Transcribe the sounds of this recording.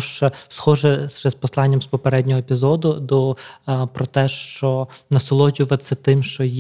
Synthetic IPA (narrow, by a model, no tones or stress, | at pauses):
ʃt͡ʃsxɔʒɛʃɛspɔslˠɑnʲːɐmspɔpeɾɛdʲnʲɔɦɔepʲizɔd̪ʊd̪ɔpɾɔt̪ɛʃt͡ʃɔnɐsɔlˠɔd͡ʒʲʊʋɐt̪sɛt̪ɪmʃt͡ʃɔj